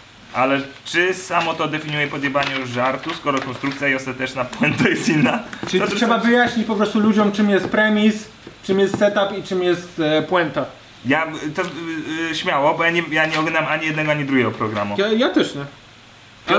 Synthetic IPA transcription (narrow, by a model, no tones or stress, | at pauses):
ʔalɛt͡ʂɘsamɔt̪ɔd̪ɛfʲiɲujɛpɔd̪jɛbaɲuʐaɾt̪uskɔɾɔkɔnst̪ɾukt̪sʲjaiɔst̪at̪ɛt͡ʂnapwɛnt̪ajɛst̪inːat͡ʂɘliʂɛbavɘjaɕɲit͡ɕpɔpɾɔst̪ulud͡ʑɔmt͡ʂɘmjɛst̪̚pɾɛmʲis | t͡ʂɨmjɛst̪sɛt̪apit͡ʂɘmjɛst̪pwɛnt̪a | jat̪ɔɕmʲjawɔbɔjaɲɛjaɲɛɔɡlɛnamaɲijɛd̪nɛɡɔaɲid̪ɾuɡʲɛɡɔpɾɔɡɾamujajat̪ɛʂɲɛ